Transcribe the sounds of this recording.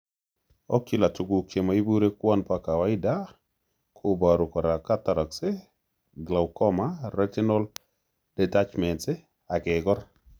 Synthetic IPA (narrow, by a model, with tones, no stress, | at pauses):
ɔ˦ki˦la˨tu˨ɡu˨ke˨ma˨i˦bu˦ɾe˦kwɔ˦npaka˨wa˦ɪ˦da˦ | kʰʊ˨ba˨ɾu˨kɔ˨ɾa˨ka˦ta˨ɾɔ˨ksɪ˦ | ɡla˨wkɔ˦ma˦ɾɛ˦ti˦nɔ˦l | d̥ɛ˨ta˦t͡ʃmɛ˨ntsɪ˦ | a˨kɪɡɔ˦ɾ